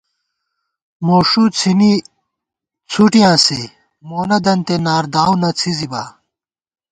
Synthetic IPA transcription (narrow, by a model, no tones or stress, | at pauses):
moːʂut͡sʰini | t͡sʰuʈijãːse | moːnɐd̪ɐnt̪enaːɾd̪aːwnɐt͡sʰizibaː